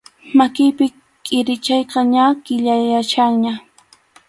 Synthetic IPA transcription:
makɪjpɪ | kʼɪɾɪt͡ʃɑjqɑɲakɪʎajat͡ʃaŋɲa

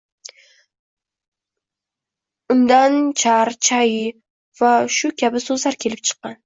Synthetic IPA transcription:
ʊnd̪ant͡ʃʰaɾt͡ʃʰajɪ | vaʃʊkʲʰabɪsɵzlaɾkʲʰe̞lɪp̚t͡ʃʰɨ̥qːɑn

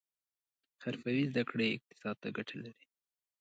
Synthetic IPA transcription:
xaɾfawizd̪akɽeɪq̚t̪ɪ̥sɑd̪̚t̪aɡaʈʰalaɾi

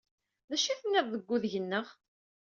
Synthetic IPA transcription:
ðæʃiθənːɪðˤðəɡʷːʊðʝənːəʁ

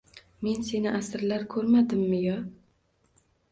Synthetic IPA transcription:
me̞nsenɪʔæsɪɾlaɾkʲʰɵɾmad̪ɪmːɪjɑ

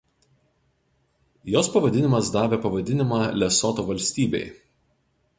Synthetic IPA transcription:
joːspɐʋɐd̪ʲɪnʲɪmɐsd̪ɑːʋʲeːpɐʋɐd̪ʲɪnʲɪmɑːlʲɛsɔt̪oːʋɐlʲsʲt̪ʲiːbʲɛ̰ɪ

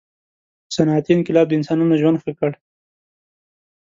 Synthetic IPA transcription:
sanɑt̪inkɪlɑb̚d̪əɪnsɑnunaʒwand̪xəkəɽ

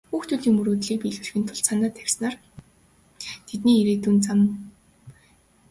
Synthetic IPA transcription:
xuːxt̪ʰuːɮiːŋmuɾuːt̪ɮiːk̚piɮwɘ̆r̆xɘ̆nt̪ʰʊɮsanə̆t̪ʰæwʲsnaːr | t̪ʰet̪niːiɾeːt̪uːnt͡sam

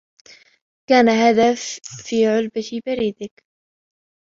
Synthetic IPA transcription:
kaːnahad̪afːiːʕʊlbabaɾiːd̪ɪk

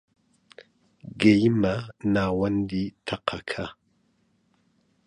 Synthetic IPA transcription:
ɡejmanaːwɐnditʰaqʰakʰa

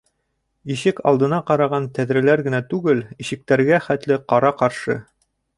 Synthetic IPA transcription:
iɕɘkɑ̰lˠd̪ɤ̆nɑqɑɾɑʁɑnt̪æðɾɘ̆læɾɡɘ̆næt̪ʉɡɘliɕɘ̆k̚t̪æɾɡæχæt̪lɘqɑɾɑqɑɾʃɤ̰

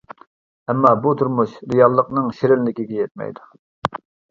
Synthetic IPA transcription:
ɛmːɑbut̪ʰuɾmuʃɾɨjɑlˠːəqnɨŋʃeɾɪlːɪkʲiɡʲɛjɛt̪̚mɛ̰jd̪u̥

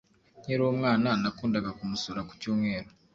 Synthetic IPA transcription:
ɲeɾwomŋaːnanakuːndaɡakumusoɾaku̥cuːmŋe̞ːɾo

